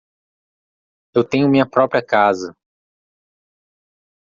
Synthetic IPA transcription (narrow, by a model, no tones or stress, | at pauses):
ewt̪ẽɲ̃ʊmĩɲɐpɾɔpɾiɐkazɐ